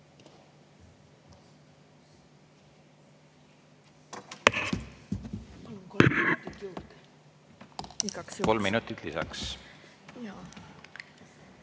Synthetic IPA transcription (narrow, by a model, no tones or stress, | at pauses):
pɑlunkolminut̪ːit̪juwd̪̥ | ikɑksko̞lmːinut̪ːˑit̪lisɑ̰ks | jɑ